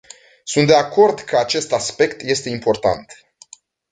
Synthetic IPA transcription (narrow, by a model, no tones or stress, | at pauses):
sunt̪d̪eako̞rd̪kʰəat͡ʃe̞st̪aspe̞kt̪je̞st̪e̞impo̞rt̪a̰nt̪